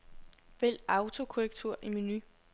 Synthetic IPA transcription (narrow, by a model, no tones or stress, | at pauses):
ʋel̰ɑ̈ʊt͡sʰo̝kʰoʁɛɡ̥̚t͡sʰuɐ̰ʔiminy